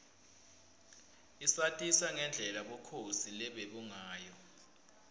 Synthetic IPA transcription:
isatʼisaŋɛnd͡ɮʱɛlaɓɔkʰosilɛɓeɓuŋaːjɔ

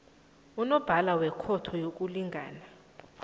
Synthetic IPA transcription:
unɔb̥ʱalawɛkʰɔtʰɔjok̬ʼuliŋɡʱaːna

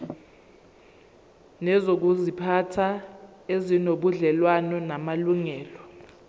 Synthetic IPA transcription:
nɛzok̬uzipʰatʰa | ezinoɓuɮɛlwanɔnamaluŋɛːlɔ

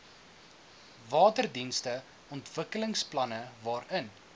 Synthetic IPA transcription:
vɑːtərdinstə | ɔntv̥əkələŋsplɐnəvɑːɾən

